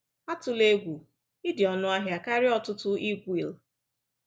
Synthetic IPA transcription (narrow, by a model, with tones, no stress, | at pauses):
a˦tʊ˨le˦ɡʷu˨ | i˦dɪ˨ɔ˨nʊ˦a˦ɦja˨ka˦ɾɪ˦ɔ˦tʊ˦tʊ˦i˦ɡʷi˨l